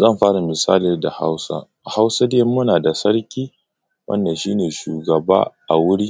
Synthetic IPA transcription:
zɐ˦˨mɸaː˦ɽa˨mɪ˨saː˦li˨rda˨ha̰˦wsa̰˦ | a˨ha˦wsa˦de˦mːʊ˦naː˨da˨sɐ˦ɽkʲiː˦ | wʔɐ̰˦ndɐ˨nʃiː˦neː˨ʃuː˨ɡɐ˨ba̰ː˦ʔa˨wʊ˦ɽi˦

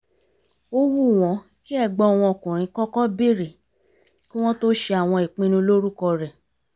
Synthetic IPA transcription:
o˦wu˦˨w̃ɔ̃˨˧˦ | ki˦ɛ˦˧˨ɡ͡bɔ˧˦˨w̃ɔ̃˧ɔ˨kũ˨ɾ̃ĩ˨˧kɔ˦kɔ˦be˦˨ɾi˨ | ki˦w̃ɔ̃˦to˦ʃe˧a˨w̃ɔ̃˧i˨k͡pĩ˧nũ˧lo˦ɾu˦kɔ˧ɾɛ˨

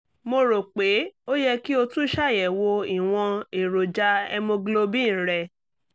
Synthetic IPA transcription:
mo˧ɾo˨k͡pe˨˦o˦jɛ˧ki˦o˧tũ˦ʃa˦˨jɛ˨wo˧i˨w̃ɔ̃˧e˨ɾo˨d͡ʒa˨˦ɛ̰˧mõ˧ɡlo˧bĩ˦˨ɾɛ˨

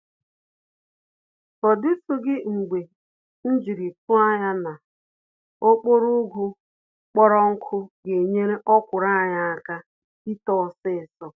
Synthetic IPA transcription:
ɔ˨dɪ˦sʊ˦ɡɪ˦ŋ͡m̩˨ɡ͡be˨ | n̩˦d͡ʒi˨ɾi˨kʊ˦a˦ja˦na˨ | o˦k͡po˦ɾʊ˦ɡʊ˦ | k͡pɔ˦ɾɔ˦ŋ̩˦kʰʊ˦ɡe˨ɲe˦ɾe˦ʔɔ˦kʷʊ˨ɾa˦˨ɲa˦a˦ka˦ | i˦tɔ˦˨sɪ˦˨sɔ˦

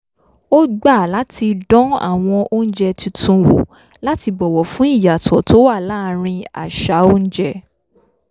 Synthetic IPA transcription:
o˦ɡ͡ba˦˨la˨˦ti˧dɔ̃˦a̰˦˨w̃ɔ̃˧ʔo˦n̩˦d͡ʒɛ˧ti˧tũ˧wo̰˨ | la˦ti˧bɔ˨wɔ˨fũ˨˦i˦˨ja˨tʰɔ˨˦to˨˦wa˦˨la˦˨ɾ̃ĩ˧a̰˨ʃa˨˦o˦n̩˦d͡ʒɛ˧

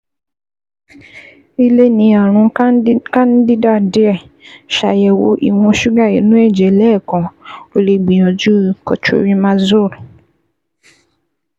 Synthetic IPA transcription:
i˦le˦nĩ˧˦a˨ɾ̃ũ˧kã˦n˦di˦da˦˨de˦ɛ˦˨ | ʃa˨jɛ˨wo̰˧˦ʔḭ˨w̃ɔ̃˧ʃu˦ɡa˦˨ḛ˨nũ˦ɛ˦˨d͡ʒɛ˨lɛː˦˨kɔ̃˨o˨le˧ɡ͡bĩ˨ɔ̃˨d͡ʒu˦kɔ̰˨t͡ʃo̰˦ɾĩ˦mã˧zo˦˨ɾ

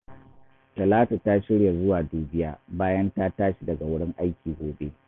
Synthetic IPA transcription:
tɐ˨laː˦ta˨ta˦ʃɪ˦ɽja˨zʊ˦waː˨duː˨bɪ˦jaː˦baː˦jɐ˦ntaː˦taː˦ʃi˨dɐ˨ɡa˨wʊ˦ɽɪ˦ŋʔa˦jkʲiː˨ɡʷoː˨bḛ˦

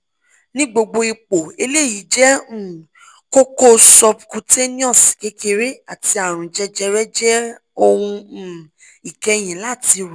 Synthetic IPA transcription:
nĩ˦ɡ͡bo˧ɡ͡bo˧i˧k͡po˨e˧le˦˨ji˨˦d͡ʒɛ̃˦˨ | ko˦ko˦sɔ˧pkũ˧te˦nĩ˦ɔ̃˦˨ske˨˦ke˧ɾe˦a˨ti˧a˨ɾ̃ũ˨d͡ʒɛ˧d͡ʒɛ˧ɾɛ˦d͡ʒɛ˦ | o˧wũ˧˦˨ | i˨kɛ˧˦j̃ĩ˨la˦˨ti˧ɾu˨

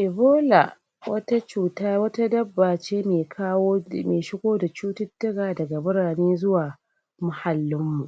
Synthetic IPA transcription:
ʔɪ˨boː˦la̰˨ | wɐ˦ta˦t͡ʃuː˦˨taː˦wɐ˦ta˦dɐ˦bːaː˨t͡ʃeː˦meː˨kʰaː˦wo˦meː˨ʃɪ˦ɡʷoː˦da˨t͡ʃuː˦tʊ˦dːɐ˦ɡaː˨dɐ˨ɡa˨bʊ˦ɽaː˨neː˦zʊ˦waː˨ | mʊ˨ha˨lːɪ˦mːu˨ʔ

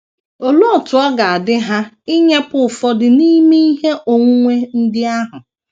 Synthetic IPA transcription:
o˨lo˦ɔ˨tʊ˨ɔ˦ɡa˨a˨dɪ˦ɦa˦ | ɪ˦ɲe˦pʊ˨fɔ˦dɪ˨ni˦me˦i˦ɦe˦ʔo˨ŋʷu˦ŋʷe˦n̩˦dɪ˦a˦ɦʊ˨

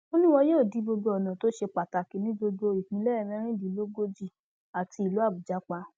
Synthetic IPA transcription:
o˦nĩ˦w̃ɔ˧joː˦˨di˨˦bo˧ɡo˧ɔ˨nã˨to˨˦ʃe˧k͡pa˨ta˨ki˨˧˦nĩ˦ɡ͡bo˧ɡo˧i˨hĩ˨˦lɛ˦˨mɛ̃˦ɾ̃ĩ˦di˨˦lo˦ɡo˦d͡ʒi˦˨ | a˨ti˧˦i˨lo˨˦a˦˨bu˨d͡ʒa˨˦k͡pa˧˦

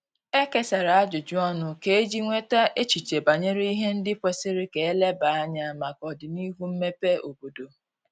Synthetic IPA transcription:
e˦ke˦sa˨ɾa˨a˦d͡ʒʊ˨d͡ʒʊ˦ɔ˦nʊ˨ke˦e˦d͡ʒi˦ŋʷe˦ta˦ʔe˦t͡ʃi˨t͡ʃe˨ba˨ɲe˦ɾe˦i˦ɦe˦n̩˦dɪ˦pʷe˦sɪ˦ɾɪ˦ke˨e˦le˦ba˨˦a˦ɲa˦˨ma˨kɔ˨dɪ˨ni˦ɦu˦m̩˦me˦pe˦ʔo˨bo˨do˨

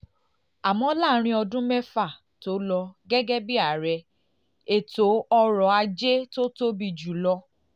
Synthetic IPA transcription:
a˨mɔ̃˨˦laː˦˨˦ɾ̃ĩ˦ɔ˧dũ˦mɛ˦fa˦˨ | to˨˦lɔ˧ɡɛ˦ɡɛ˦bi˦a˨ɾɛ˧ | e˨to˨˦ɔ˧ɾɔ˨˦a˧d͡ʒe˦to˦to˦bi˧d͡ʒu˨lɔ˧

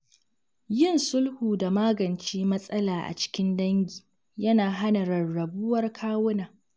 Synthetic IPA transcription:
jɪ˦˨nsʊ˦lhuː˨da˨maː˦ɡɐ˨nt͡ʃiː˦mɐ˦sʼɐ˦laː˨ʔa̰˨t͡ʃɪ̥˦kʲɪ˦ndɐ˦ŋɡʲiː˨ | jɐ˦naː˨ɦa˦na˨ɾɐ˨rɽɐ˨bʊ˦wɐ˦rkʰaː˦wʊ˦naː˨

